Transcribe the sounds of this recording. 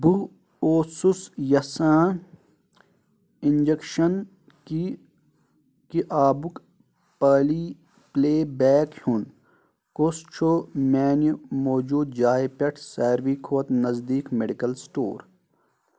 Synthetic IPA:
bu | oːsusjɐsãː | ind͡ʒekʃɐn | ki | kiʔaːbuk | paːliː | pleːbɛːkhun | kost͡ʃʰomɛːnumoːd͡ʒuːd̪d͡ʒaːipɐʈʰsaːɾʋiːkʰoɐt̪nɐzd̪iːkmeɖikɐlsʈo̰ːɾ

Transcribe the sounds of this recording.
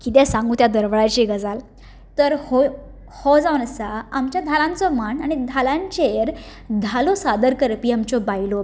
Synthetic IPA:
kit̪ɛ̃sãŋɡuːt̪jad̪əɾʋɭajt͡ɕeɡəd͡zal | t̪əɾho | hɔd͡zaʋnəsaamt͡ɕjad̪ʱalãnt͡sɔmanaɽ̃id̪ʱalãɲt͡ɕeɾ | d̪ʱalɔsad̪əɾkəɾpiːamt͡ɕɔbailo

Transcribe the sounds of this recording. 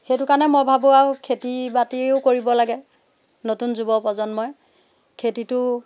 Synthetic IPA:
xejtʊkanɛmɔjbʱabʊaʊkʰetibatiʊkoɹibɔlaɡɛ | notunzubɔpɔzɔnmɔj | kʰetitʊ

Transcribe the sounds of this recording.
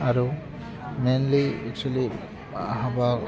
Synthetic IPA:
aɾu | menliɛk̚twali | aɦaba

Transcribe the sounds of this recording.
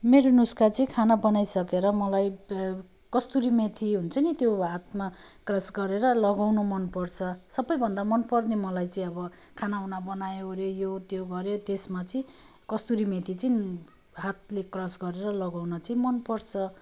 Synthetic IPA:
meɾonuskat͡sʌĩkʰanabʌnajsʌkeɾʌmʌlaj | kʌst̪uɾimet̪ʰiɦunt͡sʰʌnit̪joɦat̪̚ma | krʌsɡʌɾeɾʌlʌɡawnomʌnpʌrt͡sʰʌsʌbʌjbʱʌnd̪amʌnpʌrnemʌlajt͡sĩʌbʌ | kʰanaunabʌnajoɾjejot̪joɡʌɾjot̪esmat͡sʌĩ | kʌst̪uɾimet̪ʰit͡sʌĩ | ɦat̪̚lekrʌsɡʌɾeɾʌlʌɡawnʌt͡sʌĩmʌnpʌrt͡sʰʌ

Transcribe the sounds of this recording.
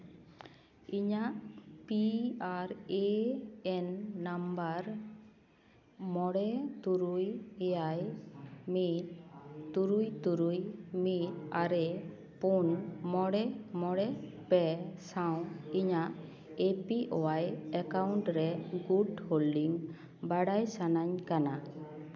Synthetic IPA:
iɲaʔpiaɾeɛnːambaɾ | mɔɽɛt̪uɾujɛjajmitt̪uɾujt̪uɾujmit̪aɾɛ | punmɔɽɛmɔɽɛ | pɛsaw̃iɲaʔ | epiʔɔwajɛkawɳʈɾɛɡuɖholɖiŋ | baɽajsanaɲkana

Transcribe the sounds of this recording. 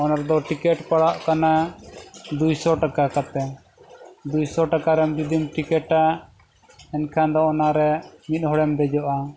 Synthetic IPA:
ɔnaɾd̪ɔʈikɛʈpaɽaʔkana | d̪ujsɔʈakakat̪ɛ | d̪ujsɔʈakaɾɛmd͡ʒid̪imʈikɛʈa | ɛnkʰand̪ɔɔnaɾɛmit̪̚ˀhɔɽɛmd̪ɛd͡ʒɔʔa

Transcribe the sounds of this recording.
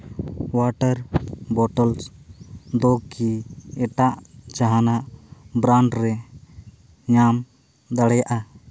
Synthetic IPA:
waʈəɾbɔʈəls | d̪ɔkiɛʈaʔt͡ʃaɦanaʔbɾaɳɖɾɛ | ɲam | d̪aɽɛjaʔa

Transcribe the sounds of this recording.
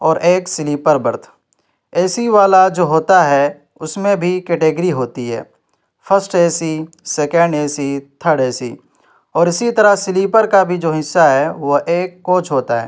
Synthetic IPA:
ɔːɾʔeːksɪliːpəɾbəɾt̪ʰ | ɛːsiʋaːlad͡ʒoːɦoːt̪aɦɛ | ʊsmẽbʱikeːʈeːɡəɾiɦoːt̪iɦɛ̰ː | fʰəsʈeːsi | seːkə̃ɳɖeːsit̪ʰəɽeːsi | ɔːɾɪsit̪ɐɾəɦsɪliːpəɾkabʱid͡ʒoːɦɪsːaɦɛʋoʔeːkːoːt͡ʃʰɦoːt̪aɦɛ̰ː

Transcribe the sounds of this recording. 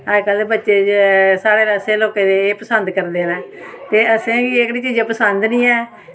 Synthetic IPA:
əkəlebətːʃeːsaːɽeːɾəseːloːkẽːd̪eːeːpəsənd̪kəɾd̪eːnɛ̃ːt̪eːəsẽːkiːkɽiːt͡ʃiːd͡ʒãːpəsənd̪nĩːɛː

